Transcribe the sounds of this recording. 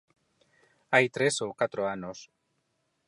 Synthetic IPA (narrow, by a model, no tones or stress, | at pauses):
ajt̪ɾesowkat̪ɾoanos